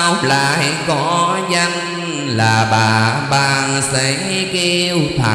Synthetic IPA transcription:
wlaː˨˩ha˨˧˦kɔ˨˦za˧ŋ | laː˨˩ɓaː˨˩ɓaː˨˩ŋse˨˧˦ | ki˧wt̪ʰa˨˩

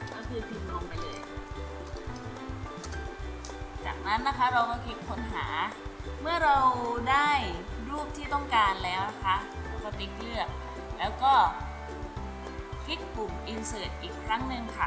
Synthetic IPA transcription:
kɔː˥˩kʰɯː˧p̪ʰi˧˩mlɔː˧ŋpa˧jlɤː˧jkʰa˥˩ | t͡ɕa̰ː˨˩k̚na˦˥nːa˦˥kʰa˦˥ɾa˧wkɔː˥˩kʰi˦˥t̪̚kʰo˧˥nɦa̰ː˩˦mɯ˥˩ɐɾa˧wdaː˥˩jɾuː˥˩p̚t̪ʰiː˥˩t̪ɔ˥˩ŋkaː˧nlɛː˦˥wna˦˥kʰa˦˥ʔa˧˩wsa˧˩t̪i˦˥k̚lɯ˥˩ək̚ | lɛː˦˥wkɔː˥˩ | kʰi˦˥t̪̚ku˨˩mʔi˧nsɤː˨˩t̪̚ʔiː˨˩kʰɾa˦˥ŋnɯ˧ŋkʰa˥˩

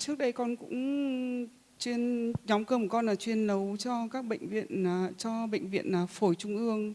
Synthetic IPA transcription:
t͡ɕɨ˦˥ək̚ɗə˧jkɔ˧nkʊ̰˧˥ŋ͡m | t͡ɕwi˧ənɲɔ˨˦ŋ͡mkəː˧m˨˩kɔ˧nlaː˨˩t͡ɕwi˧ənlə˨˦wt͡ɕɔ˧kaː˦˥k̚ɓə̰˧˨jŋ̟vḭ˧˨ənː˨˩t͡ɕɔ˧ɓə̰˧˨jŋ̟vḭ˧˨ənlaː˨˩fo˧˩jt͡ɕʊ˧ŋ͡mʔɨ˧əŋ

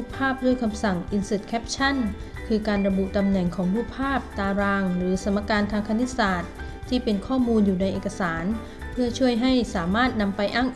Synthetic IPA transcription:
u˥pʰːaː˥˩p̚du˥˩jkʰa˧msa˨˩ŋʔi˧nsɯ˨˩t̪̚kʰɛː˦˥p̚t͡ɕʰa˥˩n | kʰɯː˧kaː˧nɾa˧bu˨˩ʔt̪a˧mnɛ˨˩ŋkʰɔː˩˦ŋɾuː˥˩pʰːaː˥˩p̚t̪aː˧ɾaː˧ŋɾɯː˩˦sa˩˦mːa˧kaː˧nt̪ʰaː˧ŋkʰa˧ni˦˥saː˨˩t̪̚ʰː | iː˥˩pe˧nkʰɔː˥˩muː˧njuː˨˩na˧jʔeː˨˩ka˧saː˩˦n | pʰɯ˥˩ɐt͡ɕʰu˥˩əjɦa˥˩jsaː˩˦maː˥˩t̪̚na˧mpa˧jʔaː˥˩ŋ

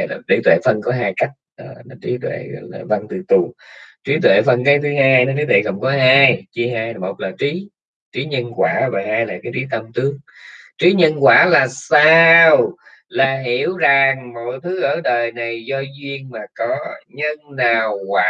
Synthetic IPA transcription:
la˨˩vḭ˧˨˦t̪wḛ˧˨fə˧˩nkɔ˨˦ɦaː˧jka˦˥jk̚ʔə˧˩a˨˩t͡ɕi˨˦t̪wḛ˧˨˧laː˨˩və˧˩nt̪ɨ˨˩t̪u˨˩˨t͡ɕi˨˦t̪wḛ˧˨fə˧nkaː˨˦jt̪ʰɨ˨˦ɦaː˧jnə˧nt̪ʰi˨˦t̪ʰwḛ˧˨˩kə̰˧˩wŋ͡mkɔ˨˦ɦaː˧jt͡ɕi˨˦ɦaː˧jmo˨˩t̚laː˨˩t͡ɕi˨˦ | t͡ɕi˨˦ɲə˧nkwaː˧˩vaː˨˩haː˧jla̰ː˧˨˩kaː˨˦jt͡ɕi˨˦t̪ə˧wmt̪ɨ˨˦əŋ̚t͡ɕi˨˦ɲə˧nkwaː˧˩laː˨˩saː˧w | laː˨˩ɦi˧˩əwza˨˩ŋmo̰˧˨jt̪ʰɨ˨˦ʔəː˧˩ɗəː˨˩jna˨˩jzɔ˧zwi˧əŋmaː˨˩kɔ˨˦ɲə˧nnaː˨˩wkwaː˧

